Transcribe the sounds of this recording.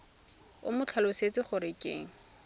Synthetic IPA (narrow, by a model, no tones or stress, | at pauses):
ʊ̰mʊt͡ɬʰalʊset͡sʼɪχʊɾɪkʼḛːŋ̩